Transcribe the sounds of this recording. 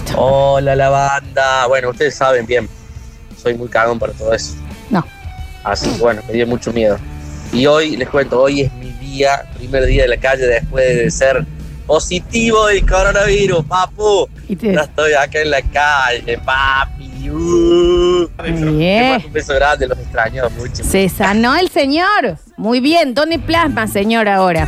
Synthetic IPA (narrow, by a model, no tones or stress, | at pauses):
olalaβand̪aβwe̞nouht̪e̞ðesaβe̞mbje̞m | so̞jmujkaɣompaɾat̪oðoeso̥no | a̰sikeβwenomeðjomut͡ʃomje̞ðoio̞jlehkwe̞nt̪oojezmiðiapɾimeɾðiaðelakaʒe̞ðehpwe̞ɦððeseɾ | po̞sit̪iβoðelkoɾonaβiɾuspapu | iʒaest̪ojakaenlakaʒepap̚iu | eoumbesoɣɾand̪elosekst̪ɾaɲomut͡ʃossesanoelseɲoɾ | mujβjend̪ond̪eplasmaseɲoɾaoɾa